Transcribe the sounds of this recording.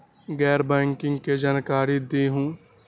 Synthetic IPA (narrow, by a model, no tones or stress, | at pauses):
ɡɛːɾbɛ̃ːŋkɪ̃ŋɡked͡ʒaːnkaːɾid̪eːɦũː